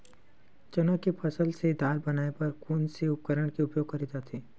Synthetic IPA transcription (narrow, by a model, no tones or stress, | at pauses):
t͡ʃɐnakepʰɐsəlsed̪ʱaːlbɐnaːepɐɾkuːnseʊp̚kəɾəɽ̃kiʊpjoːɡxɐɾiːd̪at̪ʰiː